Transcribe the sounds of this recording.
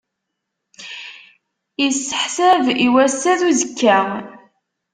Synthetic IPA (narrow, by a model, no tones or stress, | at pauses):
jisːə̥ħsæviwæsːæðuzəkːæ